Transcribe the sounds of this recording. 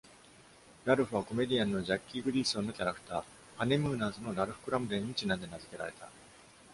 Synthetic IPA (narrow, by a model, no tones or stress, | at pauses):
ɾaɾɯ̟ɸɯ̟βako̞me̞d̪ʲijãnːo̞ʑakʲːiɡɯ̟ɾʲiːsõ̞nːo̞kʲaɾakɯ̥t̪aː | hanemɯ̟ːnaːzɨno̞ɾaɾɯ̟ɸɯ̥kɯ̟ɾamɯ̟d̪ẽ̞ɲ̟ːit͡ɕinãnd̪e̞nazɨke̞ɾa̰ɾe̞t̪a̰